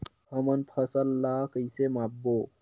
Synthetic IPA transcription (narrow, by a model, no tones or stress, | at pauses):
həmənpʰəsəlːaːkəisemaːbːo